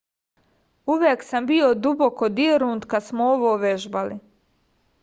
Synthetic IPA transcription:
uʋjeːksambiod̪ubokod̪ieɾuːnt̪kad̪smooʋoːʋeʒbali

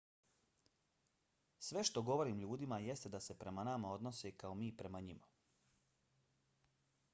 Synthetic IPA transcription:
sʋe̞ʃt̪o̞ɡo̞ʋo̞ɾiːmʎuːd̪imaje̞st̪ed̪ase̞pɾe̞manamao̞d̪no̞sekaomiːpɾe̞maɲima

